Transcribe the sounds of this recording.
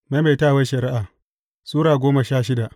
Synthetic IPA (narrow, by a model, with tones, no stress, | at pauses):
ma˦ma˨taː˦˨wɐ˦ʃɐ˨ɾɪ˦ʔaː˨ | suː˦ɽaː˨ɡʷoː˦ma˨ʃaː˦ʃɪ˦da˨ʔ